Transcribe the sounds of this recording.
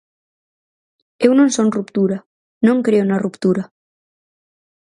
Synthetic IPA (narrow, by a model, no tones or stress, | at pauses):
ewnõnsonrupt̪uɾa | nõŋkɾeonarupt̪uɾa